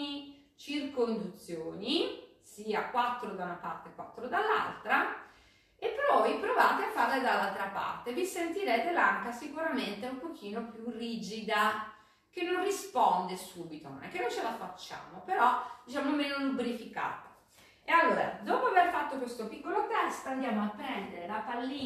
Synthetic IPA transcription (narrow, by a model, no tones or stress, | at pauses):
i | t͡ʃirkoind̪ut̪sːjoːni | siːakwat̪ːɾod̪aunapa̰rt̪ekːwa̰t̪ːɾod̪alːa̰lt̪ɾa | epːɾɔjpɾovaːt̪eafːarlad̪alːalt̪ɾapa̰rt̪evisent̪iɾɛːt̪elaŋkasikuɾament̪eumpok̟ʰiːnopjuriːd͡ʒid̪a | k̟enːonrispɔnd̪esuːbit̪ono̰nɛkːenːojt͡ʃelafat͡ʃːa̰ːmopeɾɔd̪it͡ʃaːmomɛonubɾifika̰ːt̪o̥ | ealːoːɾa̰d̪oːpoaverfat̪ːokwest̪opikːolot̪ɛst̪and̪jaːmoapːɾɛnd̪eɾelapalːiː